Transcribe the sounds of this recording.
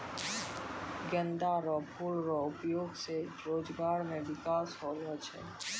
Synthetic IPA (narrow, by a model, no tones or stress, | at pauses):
ɡjə̃nd̪aɾɔpʰulɾɔʊpjoːɡseɾoːd͡ʒɡaːɾmẽʋɪkaːsɦoːlɔt͡ʃʰɛ̰ː